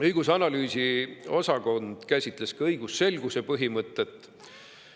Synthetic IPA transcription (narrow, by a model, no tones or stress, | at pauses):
ɤjɡ̥usɑnɑlyːsio̞sɑko̞nd̪̥kæsʲit̪ˑle̞skɑɤjɡ̥usːe̞lɡ̥usepɤɦimɤt̪ˑːe̞t̪ːˑ